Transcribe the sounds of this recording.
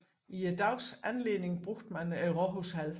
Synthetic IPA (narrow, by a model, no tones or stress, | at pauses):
iæd̥ɑʊsænle̝̰ːne̝ŋb̥ʁoɡ̥̚d̥mænæʁɒɦoshæl